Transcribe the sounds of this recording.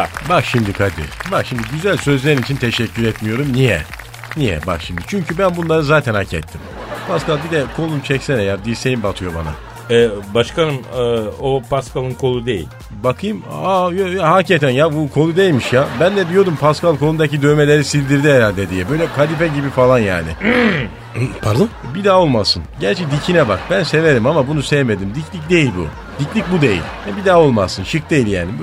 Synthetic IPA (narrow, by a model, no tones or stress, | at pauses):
bakʃimd̪ikʰad̪ḭbakʃimd̪iɟyzælʲsø̞zlʲeɾinit͡ʃʰint̪ʰɛʃɛcʰːyɾɛt̪mijo̞ɾumnijɛ̰ | nijɛ̰ba̰kʃimd̪it͡ʃʰyɲcʰybænbunlˠaɾɯzaːt̪ʰænacʰɛ̰t̪ʰːim | pʰaskalˠd̪id̪ɛkʰo̞lˠumt͡ʃʰɛcsɛnɛjad̪isejimbat̪ʰɯjo̞ba̰na̰ | ɛbaʃkanɯnɯopaskalˠɯnkʰo̞lˠud̪ejḭlʲ | bakʰɯjɯmajojaɦacet̪ʰænjabukʰo̞lˠud̪ejilʲmiʃjabænd̪ɛd̪ijo̞d̪umpʰaskalˠkʰolˠund̪acid̪ø̞jme̞lʲe̞ɾisilʲd̪iɾd̪iɦɛɾalʲd̪ɛd̪ijɛbø̞jlʲɛkʰad̪ifɛɟibifalˠanja̰ːnɪ̰ | pʰaɾd̪ubid̪aːo̞lˠmasɯnɟæɾt͡ʃʰɛd̪icʰinɛbakbænse̞ve̞ɾimamabunusɛvme̞d̪imd̪iclʲic̚d̪e̞jilʲbṵ | d̪̥iclʲic̚bud̪e̞jḭlʲjabid̪aːo̞lˠmazsɯnʃɯk̚d̪ejilʲjaːnib